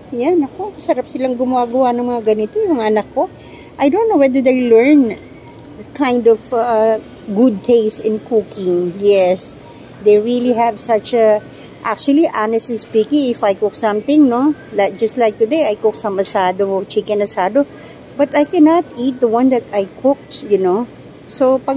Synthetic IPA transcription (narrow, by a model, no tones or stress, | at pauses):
janɐkosɐɾap̚sɪlaŋɡʊmɐaːɡɐwanɐ̃ŋmɐŋaɡɐnɪt̪ojʊɐŋaɐnɐkːo̞ | ʔajd̪õnːowɛd̪ə˞d̪ejlɛɹn | kʰãjnd̪ɔv | ɡʊd̪̚t̪ʰeɪsɪ̃nkukʰɪ̃ŋjɛs | d̪ejɹiliɦɛvsɐt͡ʃɐ | ʔa̰k̚t͡ʃuɐliʔanɛstlispikɪ̃ŋɪfajkʊk̚sɐ̃mt̪ɪ̃ŋnolak̚d͡ʒɐst̪lajk̚t̪ʊd̪ejajkʊksɐ̃mɐsad̪ot͡ʃikɛ̃nɐsaːd̪o | bɐt̪ajkɛnat̪it̪̚d̪əwɐ̃nd̪ɐt̪ajkʰʊk̚jʊno | sopɐɡ̚